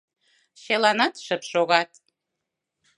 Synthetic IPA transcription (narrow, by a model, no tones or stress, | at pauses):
ʃelɑnɑt̪ʃəpʃoɣɑt̪